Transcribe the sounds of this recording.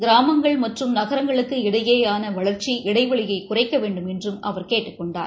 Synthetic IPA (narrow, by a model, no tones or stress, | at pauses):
ɡɪɾaːmɐŋɡɐɭmɐʈrɯmnɐɣɐɾɐŋɡɐɭɯkːɯɪɽɐjeːjaːnɐʋɐɭɐɾt͡ʃiʔɪɽɐɪʋɐɭɪjɐɪkʊrɐɪkːɐʋeːɳɖɯmɛndrɯmʔɐ̰ʋɐɾkeːʈːɯkːɔɳɖa̰ːɾ